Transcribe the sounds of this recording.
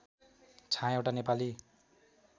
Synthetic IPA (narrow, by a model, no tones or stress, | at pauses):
t͡sʰãewʈanepali